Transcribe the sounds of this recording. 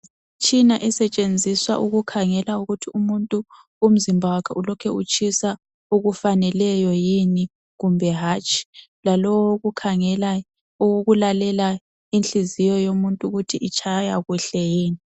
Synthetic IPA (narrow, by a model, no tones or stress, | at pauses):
t͡ʃʰʼinaʔɛsɛt͡ʃʼend͡zʱiswa̰ʔuɣukʰaŋɛlauɣutʰiumuntʼuː | m̩zimbʱawakʰa̰ʔulɔkʰɛut͡ʃʼʰisa | uɣufanɛlɛjɔjini | ɣumbʱɛɦaːt͡ʃʼʰi̥ | lalɔwɣukʰaŋɛla | oɣulalɛla | inɬizijɔjomuntʼuɣutʰiʔit͡ʃʰajaɣuɬɛjiːni